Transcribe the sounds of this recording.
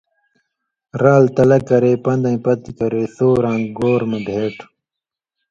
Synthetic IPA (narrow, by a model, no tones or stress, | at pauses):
ɾaːlt̪ɐlɐkɐɾeːpɐ̃nd̪ɐ̃j̃ĩpɐt̪ikɐɾesoːɾãːŋɡɡoːɾmɐb̪ʱeːʈ